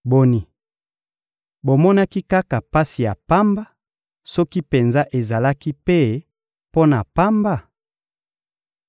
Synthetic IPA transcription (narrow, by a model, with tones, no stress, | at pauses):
bo˨ni˨ | bo˨mɔ˦na˦ki˦ka˦ka˨pa˦si˨ja˨pa˦mba˦ | sɔ˦ki˦pe˨nza˦ʔe˨za˨la˦ki˦pe˦ | po˦na˨pa˦mba˦˨